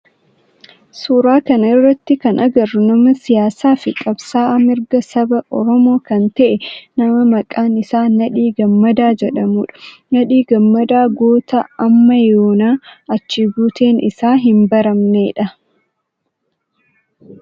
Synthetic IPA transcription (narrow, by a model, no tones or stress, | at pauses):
suːɾaːkɐnɐɪrːɐt̪ːɪkɐnʔɐɡɐrːʊnɐmɐsɪjaːsaːfɪkʼɐbsaːmɪɾɡɐsɐbɐʔɔ̰ɾɔmo̞ːkɐnt̪ɐʔɛnɐmɐmɐkʼaːnɪsaːɐᶑiːɡɐmːɐd̪aːd͡ʒɛᶑɐmuːᶑɐ̥nɐᶑiːɡɐmːɐd̪aːɡo̞ːt̪ɐɐmːɐjoːnaːɐt͡ʃːɪɡuːt̪eːnɪsaːɦɪmbɐɾɐmneːᶑɐ